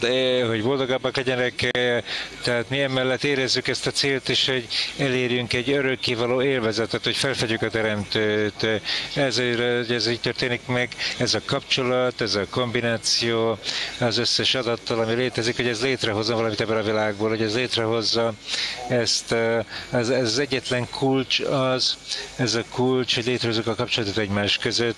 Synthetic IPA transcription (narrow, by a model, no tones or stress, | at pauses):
d̪ɛɦo̞ɟvo̞ld̪o̞ɡɒbːɒklɛɟɛnɛk | t̪ɛɦaːt̪miɛmɛlːɛt̪ːeːɾɛzːykɛst̪ɒt̪seːlt̪iʃho̞ɟɛleːrjyŋkɛɟːøɾøkːeːvɒloːeːlvɛzɛt̪ɛt̪ho̞cfɛlfɛɟykɒt̪ɛɾɛmt̪øːt̪ɛzoɛziːc̚t̪ørt̪eːnikmɛɡɛzɒkɒpt͡ʃo̞lɒt̪ɛzɒko̞mbinaːt̪sijoːɒzø̞sːɛʃɒd̪ɒt̪ːɒlɒmileːt̪ɛzikhoɟɛzleːt̪rɛɦo̞zomvɒlɒmit̪ɛbːønɒvilaːɡ̚boːlɦoɟɛzleːt̪rɛɦo̞zːɒɛst̪ | zɛzɒzɛɟːɛt̪lɛŋkʰult͡ʃɒzɛzɒkult͡ʃho̞ɟleːt̪ɾɛɦozykɒkɒp̚t͡ʃolɒt̪ot̪ɛɟmaːʃkøzøt̪ː